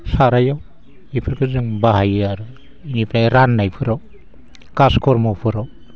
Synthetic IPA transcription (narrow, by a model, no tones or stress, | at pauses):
saɾajaw | ipʰɯɾkʰɯzɯŋbaɦajɯaɾɯ | inipʰɾajɾanːajpʰɯɾɔ | kaskʰɔɾmɔwpʰɯɾɔw